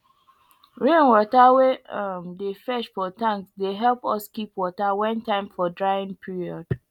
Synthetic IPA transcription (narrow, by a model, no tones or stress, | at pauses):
ɹẽnwɔtaweãmdefɛʃfɔtãŋksdeɦɛlˠpɔskipwɔtawɛ̃ntãɪ̃mfɔdɹaɪĩŋpʰiɹiɔd̥